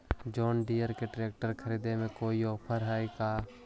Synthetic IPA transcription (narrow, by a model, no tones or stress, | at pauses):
d͡ʒɔːnɖiːəɾkeɖɾeːk̚ʈəɾkʰəɾiːd̪emẽkoːiɔːpʰəɾɦaːikaː